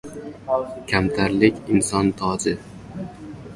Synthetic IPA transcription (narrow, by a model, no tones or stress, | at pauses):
kʲʰamt̪ʰaɾlɪkʲɪnsɒnt̪ʰɒd͡ʒɪ